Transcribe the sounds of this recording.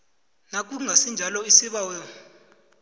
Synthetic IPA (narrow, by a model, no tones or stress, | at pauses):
nak̬ʼuŋʱasind͡ʒʱalɔisiɓawjɔ